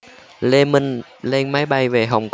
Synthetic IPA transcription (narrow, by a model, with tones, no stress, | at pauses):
le˧nmi˧ŋ | le˧nma˨˦jɓa˧jve˨˩ɦa˨˩wŋ͡mk